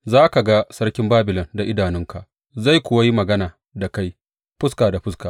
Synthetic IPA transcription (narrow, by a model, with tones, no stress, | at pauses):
zaː˦ka˨ɡa˦sɐ˦ɽkʲɪ˦mbaː˦bɪ˨lɔ˨nda˨ʔɪ˦daː˨nɪ˦ŋka˨ʔ | za˦˨jkʷʊ˨wa˦ji˦mɐ˨ɡɐ˦naː˨ | da˨ka˦j | ɸʊ˦skaː˨da˨ɸʊ˦skaː˨